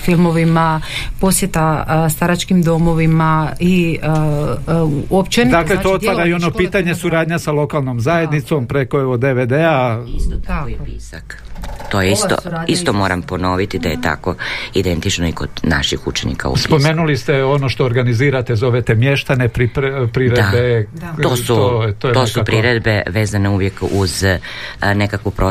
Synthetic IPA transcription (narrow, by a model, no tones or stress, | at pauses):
filˠmo̞ʋimapo̞sjet̪ast̪aɾat͡ʃkimd̪omo̞ʋimai | opt͡ʃend̪aːkkle̞t̪o̞ot̪ʋaɾaio̞no̞piːt̪aɲe̞suɾaːd̪ɲasalo̞kalˠnomzaje̞d̪nit̪so̞mpɾe̞ko̞eʋo̞d̪e̞ʋed̪ea | apisakt̪ojeistt̪o̰ist̪omoːɾampono̞ʋit̪id̪ajet̪a̰koid̪ent̪it͡ʃnoikod̪na̰ʃixut͡ʃenḭka̰ṵspo̞me̞nulist̪e̞o̞no̞ʃt̪o̞ːɾɡaniziːɾat̪e̞zo̞ʋet̪e̞mje̞ʃt̪anepɾipɾpɾiɾed̪beosutot̪ojt̪osupɾiɾed̪bḛʋe̞ːzaneuʋjekuz | nekakʋupɾo